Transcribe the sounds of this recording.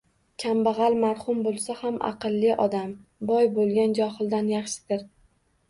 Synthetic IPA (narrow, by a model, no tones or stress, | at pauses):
kʲʰambɑʁɑlˠmaɾhʊmbolˠsahamʔɑ̰qɨlˠːɪʔɒd̪ambɒjbolˠɡʲand͡ʒɒhɨlˠd̪anjɑχʃɪ̥d̪̥ɪɾ